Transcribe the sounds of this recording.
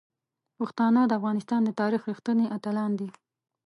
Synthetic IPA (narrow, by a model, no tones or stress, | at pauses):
pəxt̪ɑnəd̪əafɣɑnɪst̪ɑnd̪ət̪ɑɾixɾixt̪əniʔat̪alɑnd̪i